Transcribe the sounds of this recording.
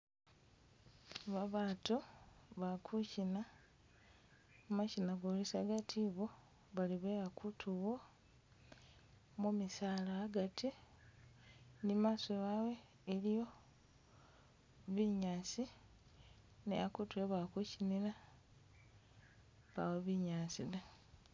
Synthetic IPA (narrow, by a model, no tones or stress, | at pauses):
βaβaːtuβakʰucina | macinaɡolisaɡatʰiβo | βaliβejakʰutʰuwo | mumisaːlaːɡati | nimaːswewawe̞ː | lijo̞ | βiɲaːsi | nḛakutuweβakucinila | βa̰weβiɲaːsila